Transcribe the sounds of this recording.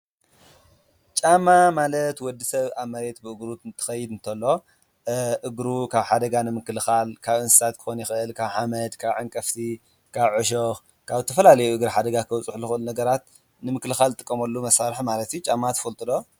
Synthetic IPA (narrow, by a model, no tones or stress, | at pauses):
t͡ʃʼamːamalɐt̪wɔd̪ːisɐβamːɐɾe̞t̪bɨɨɡɾut̪t̪ʰɨ̥xɐjːɪd̪ɨnt̪ʰɐlːo̞ | ʔɨɡɾukʰaβħad̪ɐɡanɨmɨkːɨlɨxalkʰaβɨnsɨ̥sʰat̪kʰɨ̥xonjɪxɨʔɨlkʰaβħamɐd̪kʰaβʕaŋkʼɐft̪ʰi | kʰaβʕɨʃ̬ox | kʰaβzɨt̪ʰɐfɐlalɐjuʔɨɡɾiħad̪ɐɡakʰɐwt͡sʼɨħlɨxɨʔɨlunɐɡɐɾat̪̚ | nɨmɨklɨxalt̪ʼɨkʼːɐmɐlːumɐsaɾħmalɐt̪ijut͡ʃʼamːat̪ʰɐ̥fɐlt̪ʼɨd̪o̞